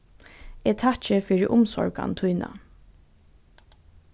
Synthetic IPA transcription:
ɛt̪ʰat͡ʃəfɪɹɪʔʊmsɔɹɡa̰nt̪ʰujna̰

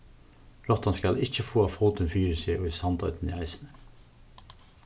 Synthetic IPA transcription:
ɾɔt̪ɑnskɑlɪçəfoːɑːfoːt̪ənfyːɾəseːʔoːiːsɑnd̪ɑ̰ʉt̪n̩iːæɪsənə

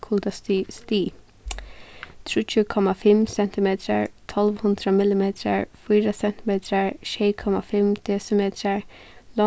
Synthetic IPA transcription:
kʰuld̪əst̪ist̪iː | t̪ʰɹuːt͡ʃʰʉːkʰɔmafɪmsɛnt̪ʰɪmeːt̪ʰɾə̰ɹt̪ʰɔlʋhʊnd̪ɾəmɪlɪmeːt̪ʰɾə̰ɹfiːɾəsɛnt̪ɪmeːt̪ʰɾəɹʃɛːkʰɔmafɪmd̪̥eːsəmeːt̪ʰɾəɹlɔ

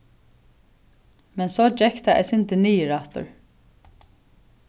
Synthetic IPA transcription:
mɛnsɔːd͡ʒɛhkt̪ʰaɛ̰sɪnt̪ɪniːɪɾaht̪ʏ̰ɹ

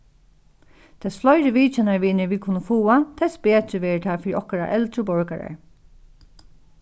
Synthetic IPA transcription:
t̪ʰɛslɔjɾɪʋiːt͡ʃɛnaɹʋiːnɛɹʋiːkʰʊnːəfuːat̪ʰɛspeːt̪ɪʋeːɹət̪ʰaːfɪːɾiʔɔhkaɾa̰ʔɛlt̪ɾəbɔɹka̰ɹa̰ɹ

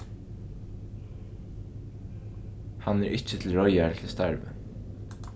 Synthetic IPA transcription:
hɑnæːɹʔɪc͡çət̪ʰl̩ɹɔʏæɹkʰɪlst̪æɹʋə̰

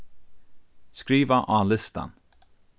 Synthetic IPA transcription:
skɾiːvaʔaːlɪst̪a̰n

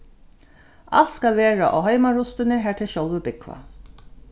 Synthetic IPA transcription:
ʔa̰lt̪skalʋeːɹa̰ʔɔ̰ɦœɪmaɹʊst̪ɪnɪɦæːʈʰɪɕɔlʋəbɪkʰʋa̰

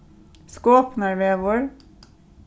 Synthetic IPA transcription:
skoːpnɑɹʋeːʋʊɹ

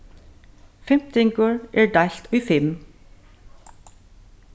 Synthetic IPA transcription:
fɛmt̪ɪŋɡoːɹʔæːɖɑɬt̪ʰoːiːfɛm

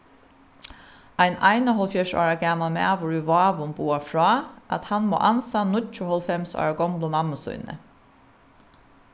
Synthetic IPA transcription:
æɪnʔæɪnəhɔlfjɛʂɑ̰ːɹəɡæmɑlmḛːʋʊɹʉʋɑːʋʊnbuːɑfɹɑːʔɑt̪hɑnmo̰ːʔɑnsɑːnʊt͡ʃʊhɔlfɛmsɑ̰ːɹəɡɔmlʊmɑməsʊ̰ʏnə̰

